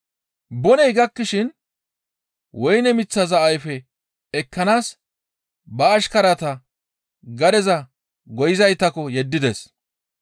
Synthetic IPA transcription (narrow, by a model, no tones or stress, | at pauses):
bɔnɛjɡɐkːɪʃɪn | wɔjnɛmɪt͡sːɐzɐʔɐjfɛ | ɛkːɐnaːs | bɐːʃkɐɾɐt̪ɐ | ɡɐd̪ɛzɐ | ɡɔjɪzɐjt̪ːɐkɔjɛd̪ːɪd̪ɛs